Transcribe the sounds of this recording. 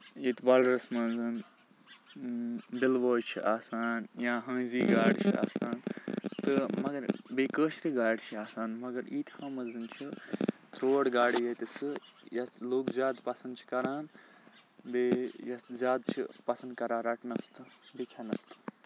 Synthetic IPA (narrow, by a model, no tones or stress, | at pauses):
iːt̪ʰʋalɾɐsmɐzɨn | bilʋoːjt͡ʃʰḭʔaːsaːnjãːɦɐ̃ːziːɡaːɽt͡ʃʰia̰ːsaːnt̪ɨmɐɡɐɾbeːkəːʃɾiɡaːɽt͡ʃʰiaːsaːnmɐɡɐɾiːt̪ʰhãːmɐzɨnt͡ʃʰit̪ɾoːɽɡaːɽijɐt̪isɨjɐloːkzʲjaːd̪pɐsɐnd̪̚t͡ʃʰi̥kɐɾaːn | beːjɐszʲjaːd̪t͡ʃʰḭpɐsɐnd̪̚kɐɾaːɾɐʈnɐst̪ʰɨbikʰenɐst̪ɨ̥